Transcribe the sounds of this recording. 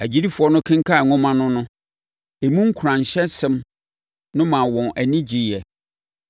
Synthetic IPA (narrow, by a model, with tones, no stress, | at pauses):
æ˨d͡ʑi˦ɾi˦fʊ˨ɔ˦nʊ̃˦kʰɪ̃˦ŋ˦kʰa˦˨ŋʊ̃˦mã˦nʊ̃˦nʊ̃˦ | e˨mũ˦ŋ̩˦kʰu˨ɾã˨n˨ɕɛ˦sɪ̃˦m | nʊ̃˦mã˨wɔ̃˨nʔæ˨nĩ˦d͡ʑi˨ɛ˨